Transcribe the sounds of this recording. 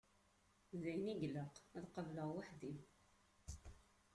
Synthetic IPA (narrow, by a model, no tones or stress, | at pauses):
ðæjniɡləqæðqəvləʁwaħðim